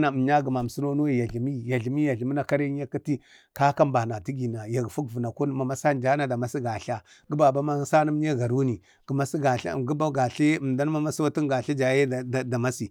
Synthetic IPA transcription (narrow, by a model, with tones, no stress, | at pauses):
na˨ɲa˦ɡi˨ma˨m˨su˦no˦no˦ji˨ja˨ɮi˨mi˦ja˨ɮi˨mi˦ja˨ɮi˨m˦na˨ka˦ɾi˦a˦ka˦ti˦ | ka˦ka˦mba˨na˨ti˦ɡi˨na˨ja˨ɡfu˦kvu˨na˨ku˦nma˨ma˦sa˦n˨d͡ʒa˦na˦da˨ma˦si˦ɡa˨ɬa˦ | ɡu˦ba˨ba˦ma˦sa˦na˦m˦ɲ˦a˦ɡa˨ɾu˦ni˨ | ɡ̥ə˨ma˦si˦ɡa˨ɬa̰˦˨ɡu˦ba˦ɡa˨ɬa˦˨m˨da˦n˦ma˦ma˦swa˦ti˦ŋɡa˨ɬa˦d͡ʒa˨je˦˨da˨ma˦si˨